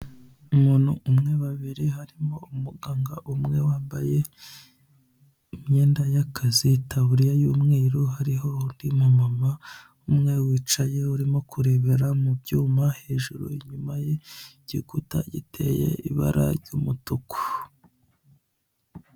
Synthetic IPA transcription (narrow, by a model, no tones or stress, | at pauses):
umuːn̥huʔumŋe̞βaβiɾiɦaɾimoumuɡaːŋɡaʔumŋe̞waːmbaje̞ | imɲeːndajakʰazitaβuɾijajuːmŋiːɾoɦaɾiɦo̞ndimumama | umŋe̞wiːt͡ʃaje̞uɾimo̞kuɾe̞βeɾamubɟuːmahe̞ːʒuɾo̰iɲumajeɟ̥iɡuta̰ɟḭtʰe̞̰je̞̰ḭβa̰ɾa̰ɾɟumutuku̥